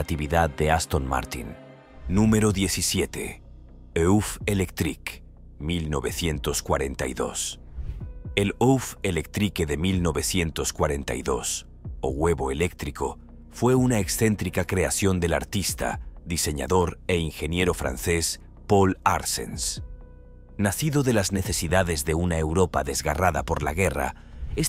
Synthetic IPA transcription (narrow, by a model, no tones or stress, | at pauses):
t̪iβiðaðde̞ast̪o̞nma̰ɾt̪ḭnː | ũme̞ɾo̞ðje̞θisje̞t̪e̞̰ | eufe̞lekt̪ɾik | milno̞βe̞θje̞nt̪o̞skwa̰ɾe̞nt̪a̰jðo̞̰s | e̞lowfelek̚t̪ɾikeðe̞milno̞βe̞θje̞nt̪o̞skwaɾe̞nt̪a̰iðo̞s | o̞̰ɣwe̞βo̞e̞le̞kt̪ɾiko̞ | fwe̞unaeksθe̞nt̪ɾikakɾe̞aθjo̞nd̪e̞la̰ɾt̪ist̪a̰d̪ise̞ɲa̰ðo̞ɾe̞inxe̞nje̞ɾo̞fɾa̰nθe̞s | po̞la̰ɾse̞̰ns | naθiðo̞ðe̞lazne̞θe̞siðaðe̞zðe̞unaewɾo̞pa̰ðe̞zɣaraða̰po̞ɾla̰ɣe̞ra̰ | es